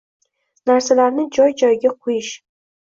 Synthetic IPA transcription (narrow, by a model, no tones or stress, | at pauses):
naɾsalaɾnɪd͡ʒɒjd͡ʒɒjɪɡʲaqʰʊjɪʃ